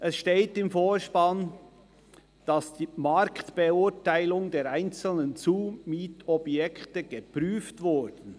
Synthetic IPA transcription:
ʔɛsʃteːtɪmfoːʃpɑn | d̥ɑsd̥iːmɑɾktb̥eʊɹtaɪlʊŋdeːɾaɪnt͡sl̩nənt͡suːmiːtɔbjɛktəɡ̥əpɾyːftvʊɾdn̩

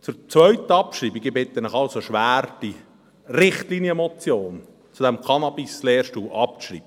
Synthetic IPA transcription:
t͡sʊɾt͡sʋœʏt̪əɑpʃɾiːbiɡɪbɪt̪ːənɪχɑlsoʃʋæːɾd̥i | rɪχtliːnjəmɔt͡sjoːn | t͡sud̥ɛmkʰɑnɑbisleːrʃtuːlʔɑp̚ʃrḭːb̥ə

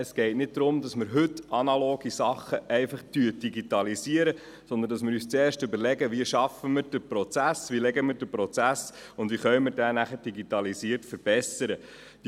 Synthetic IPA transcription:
əsɡ̥ɛɪtnɪt̚d̪ɾʊmdɑsmɪɾɦɵtːɑnɑloːɡisɑχːəʔɛɪfɑχt̪yəd̥iɡitɑlisiəɾə | sɔnd̪əndɑs̬mɪɾyːst͡sɛːɾʃtʏbəɾlɛɡəʋiəʃɑfəmɪːɾd̥əpɾɔt͡sæsvʋilɛɡəmiːɾdəpɾɔt͡sæsʊnd̪ʋiχœʏəmɪɾdænæχəɾd̥iɡit̪ɑlisiːəɾtfəɾb̥ɛsəɾə | d̥

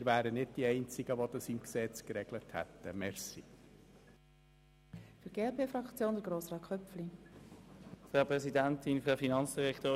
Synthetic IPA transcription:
ɾvæːɾənɪd̚d̥iɛɪnt͡sɪɡ̥əʋodəsimksɛt͡skɾɛɡləthɛ̰t̪ːəmɛrsi | fyɾɡ̥eːɛlpʰeːfɾɑkt͡sjoːnd̪əɡɾoːsʁɑːkʰχœpfli | fæːpʁɛsidæntɪnfyfinɑnt͡ssd̥iʁɛkt̪oː

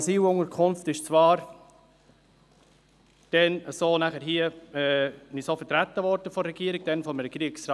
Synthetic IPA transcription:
siːlʊŋəɾkʰʊnftɪʃt͡svɑːɾ | d̥ɛnəsoːnæχəɾɦiːəɛːnisoːfɛtɾæt̪ːəvɔɾd̥əfɔɾːɛɡ̥iːəɾɪɡ̥̚d̥ɛnfɔməɾəkɾiəksɾɑ

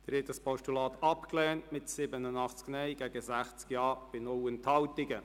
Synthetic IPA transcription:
d̪̥ɪɾhɛt̪̚dɑspʰɔʃtulɑːt̪ɑpklɛːntmɪtsɪbənənɑχt͡sknɛjɡ̥ɛɡəsæχt͡skjɑːb̥ɪnɔwənthɑwtɪɡə

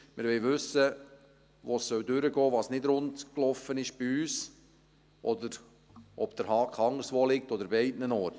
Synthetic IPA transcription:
mɪɾʋɛɪʋʏsːə | ʋoːsːœwdʏɾəɡɔːʋɑːsnɪdɾʊntklɔfːənɪʃb̥iyːs | ʔɔd̪əɾ | ʔɔb̥d̥̪əɾhɑːkʰɑŋəɾsʋoːlɪk̚tɔdəɾbɪɛɪdnənɔːt

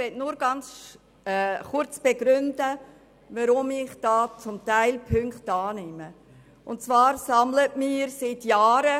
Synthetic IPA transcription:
ʋɛtnuːɾɡ̥ɑnt͡s | ɛχʊt͡sb̥eɡ̥ɾʏndə | vaɾʊmɪχd̥ɑːt͡sʊmtæɪlpʰʏŋkχtɑːnɪmə | ʊnt͡svɑːɾsɑmlətmiːəɾsɪtjaːɾə

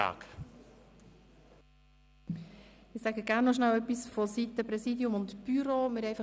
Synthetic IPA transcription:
a̰ːk | ɪsæɡəɡ̥æːɾnɔʃnæwœpisfɔsit̪əpɾɛsiːdjʊmʊntb̥yɾoːmɪːɾɛɪfɑ

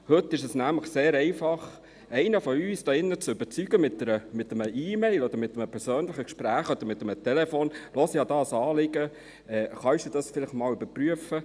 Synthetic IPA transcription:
hɵt̪ːɪʃɛsnæmləχseːɾɛɪfɑχ | ʔɛɪnəfɔyːsd̥ɑːɪnːət͡søbəɾt͡syɡ̥əmɪtːəɾəmɪt̪ːəməʔiːmɛɪlɔd̥̪əɾmɪt̪ːəməpʰɛɾsøːnlɪχəkʃpɾæːχɔd̪əɾmɪt̪ːəmət̪ɛlɛfoːnlɔsjɑːd̪ɑːsɑːlɪɡ̥ə | ɛːχɑsd̥ud̥̪ɑsfɪlɪχtmɑːlyb̥əɾpryəfə

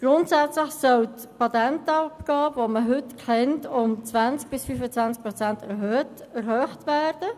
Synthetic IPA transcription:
ɡ̥ʁʊntsɛt͡sləχsœlt | pʰɑt̪ɛntɔpɡ̥ɑːvoməɦʏtkʰɛntʊmt͡svant͡sk̚b̥ɪsfyːfət͡svant͡sk̚pʁot͡sɛntɛɾɦøːtɛɾhøːχtʋæːrd̥ə

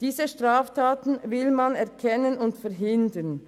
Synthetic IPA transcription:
d̥iːzəʃtʁaːftʰaːtn̩vɪlmanɛʁkʰɛnənʊntfɛʁɦɪndən

